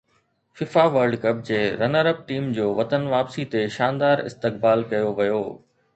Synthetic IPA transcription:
fɪfaʋɐɾɖkɐp̚d͡ʑeːɾɐnəɾəb̚ʈiːmd͡ʑoːʋɐt̪ənʋaːpsit̪eʃaːnd̪aːɾɪ̰st̪ɪk̚baːlkɐjoʋɐjoː

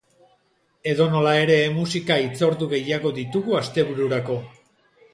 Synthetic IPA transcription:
e̞ðo̞no̞lae̞ɾe̞musikait͡so̞ɾd̪uɣe̞jaɣo̞ðit̪uɣuast̪e̞βuɾuɾako̞

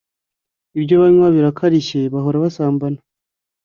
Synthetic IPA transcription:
ibɟoβaɲwaβiɾakʰaɾiʃe̞βaɦo̞ɾaβasaːmbana

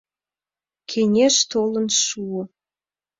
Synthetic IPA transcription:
kʰenʲeʃt̪olə̆nʃuə̆

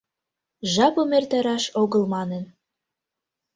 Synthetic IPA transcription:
ʒɑpomert̪æɾɑʃoɣə̆lmɑnen

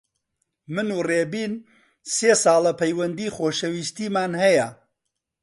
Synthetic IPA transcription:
mɨnureːbiːn | seːsɑːlˠɐpʰɐjwɐnd̪iːχoːʃɐwiːst̪iːmaːnhɐjɐ

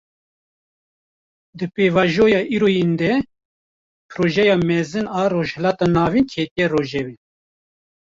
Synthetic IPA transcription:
d̪ɨpeːvɑːʒoːjɑːʔiːɾoːjend̪ɛ | pʰɨɾoːʒɛjɑːmɛzɨnɑːroːʒhɛlɑːt̪ɑːnɑːvinkʰet̪ijɛroːʒɛbɛ

